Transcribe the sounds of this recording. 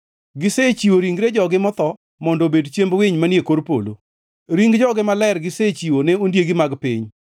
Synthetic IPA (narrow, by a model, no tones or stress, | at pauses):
ɡɪset͡ʃiwoɾiŋɡɾed͡ʒɔɡɪmɔt̪ɔ | mɔndobedt͡ʃjembwɪɲmanjekoɾpo̰lo̰ | ɾiŋɡd͡ʒɔɡɪmalɛɾɡɪset͡ʃiwonɛondjeɡimaɡpɪɲ